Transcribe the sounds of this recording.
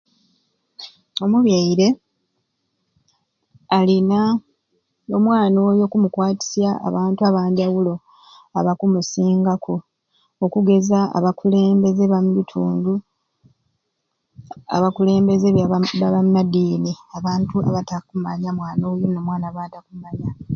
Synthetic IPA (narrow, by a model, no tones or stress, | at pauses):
o̞muβjaiɾe̞ | alina | omwaːno̞ːjo̞kumukwaːti̥sja̰ːβaːntuaβaːndiawulo̞ | aβakumusiːŋɡakʰo | okuɡe̞zaa̰βakule̞ːmbe̞ze̞βamulitʰuːndu | a̰βakule̞ːmbe̞zeβaβaβanːadiːniaβaːntua̰βatakumaɲamwaːno̞ːjo̞no̞mwaːnaβaːtakumaɲa